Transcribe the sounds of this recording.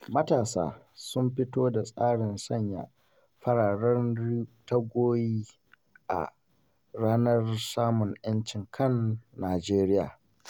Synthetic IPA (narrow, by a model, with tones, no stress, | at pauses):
mɐ˦taː˨sa̰ː˦ | sʊ˦mɸɪ˦toː˦da˨sʼaː˦ɽɪ˨nsɐ˦˨ɲja̰˨ | ɸɐ˦ɽaː˨ɽɐ˦rtɐ˦ɡʷoː˦jiː˦ | ʔa̰˨ | ɽaː˦nɐ˦rsaː˦mʊ˨ɲʔjɐ˦nt͡ʃɪ˨ŋkʰɐ˦˨nːaː˨d͡ʒeː˦ɾɪ˦ja̰ː˨